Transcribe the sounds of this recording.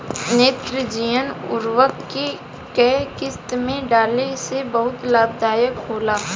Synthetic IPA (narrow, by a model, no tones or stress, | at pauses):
neːt̪ɾəd͡ʒijənʊ̰ɾwəkke | kɛɦkɪst̪mẽɖaːlesebɐɦʊt̪laːb̚d̪ʱaːjəkɦoːlaː